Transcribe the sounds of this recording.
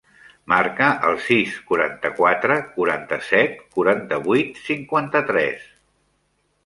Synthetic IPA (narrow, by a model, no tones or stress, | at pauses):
markəʔəlˠsiskuɾa̰nt̪əkwat̪ɾəkuɾa̰nt̪əsɛt̪̚kuɾant̪əβujt̪siŋkwant̪ət̪ɾɛ̰s